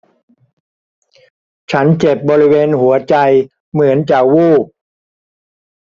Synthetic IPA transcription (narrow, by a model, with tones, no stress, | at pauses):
t͡ɕʰa˦˥nt͡ɕe˨˩p̚bɔː˧ɾi˦˥weː˧nɦu˩˦ɐt͡ɕa˧j | mɯ˩˦ənt͡ɕaː˨˩k̚wuː˥˩p̚